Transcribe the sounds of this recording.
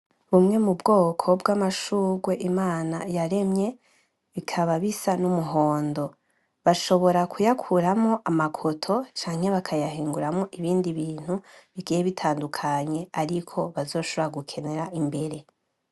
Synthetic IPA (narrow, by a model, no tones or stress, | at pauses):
βumŋe̞mubɡo̞ːkʰo̞bɡamaʃuːɡwe̞ʔimaːnajaɾe̞mɲe̞ | βikʰaβaβisanumuɦo̞ːndo̞ | βaʃo̞βo̞ɾakʰujakʰuɾamŋo̞ʔamakʰo̞tʰo̞t͡ʃaːŋhe̞βakʰajaɦiːŋɡuɾamŋoʔiβiːndiβiːn̥huβiɡijeβitʰaːndukʰaɲe̞aɾikʰo̞βazo̞ːʃoβɾaɡukʰe̞ne̞ɾaʔimbe̞ɾe̞